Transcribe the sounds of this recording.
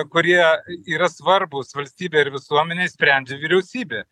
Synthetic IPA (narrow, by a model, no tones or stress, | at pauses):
kʊɾʲiɛiːɾɐsʋɐɾbʊsʋɐlʲsʲt̪ʲiːbʲeːɪɾʋʲɪsuɔmʲɛnʲesʲpʲɾʲæˑnʲd͡ʒʲeʋʲiɾʲɛʊsʲiːbʲeː